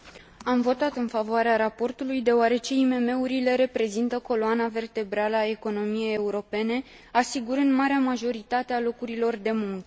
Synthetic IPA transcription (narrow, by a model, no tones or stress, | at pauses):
amvo̞t̪at̪ɨnfavoaɾeaɾapo̞rt̪ulujd̪e̞oaɾe̞t͡ʃe̞ime̞me̞uɾile̞ɾe̞pɾe̞zint̪əko̞loanave̞rt̪e̞bɾaləae̞ko̞no̞mije̞jeuɾo̞pe̞ne̞ | asiɡuɾɨnd̪maɾeamaʒo̞ɾit̪at̪ealo̞kuɾilo̞rd̪e̞muŋkə